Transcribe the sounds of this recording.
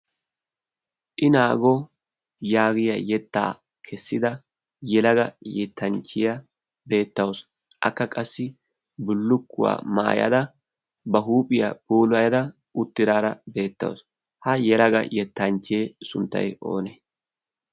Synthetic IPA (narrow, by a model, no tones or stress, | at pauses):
ʔɪnaːɡɔ | jaːɡɪjɐjɛt̪ːa̰ː | kʰɛsːɪd̪ɐ | jɛlɐɡɐjɛt̪ːɐnt͡ʃːɪjɐ | be̞ːt̪ːɐwɔs | ʔɐ̰kːɐkʼɐsːɪ | bʊlːʊkːʊ̰wa̰ːma̰ːjɐ̰d̪ɐ | bɐɦuːpʼɪjɐbuːlʊɐjɐd̪ɐ | ʊt̪ːɪɾaːɾɐbe̞ːt̪ːɐ̰wo̰s | hɐjɛlɐɡɐ̰jɛt̪ːɐnt͡ʃːeːsʊnt̪ːɐ̰jo̞̰ːne